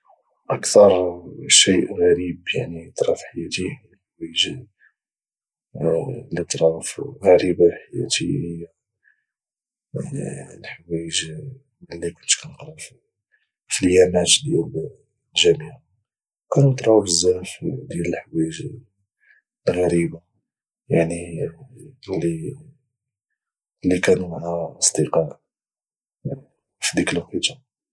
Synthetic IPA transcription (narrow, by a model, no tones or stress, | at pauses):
ʔəkt̪ɑɾˤʃiʔɣæɾibjaʕnit̪ˤɾˤɑfħajæt̪i | lħwæʒ | lət̪ˤɾˤɑfɣæɾibaħajæ̰t̪ij | lħwæjəʒ | lːikʊnt̪kænt̪ɾˤɑf | filjænæt̪d̪jæl | lʒæmiʕa | kænunt̪ˤɾˤɑwfəzːæɾfd̪jæləlħwiʒ | rːɑɾiba | jaʕni | li | lːikænumaʕæʔsˤd̪əqɑʔ | fid̪ikəlqit̪ɑ